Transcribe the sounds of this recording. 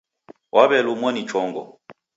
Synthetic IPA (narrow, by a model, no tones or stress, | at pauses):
wʔaβɛlumwɔnit͡ʃɔŋɡɔ̰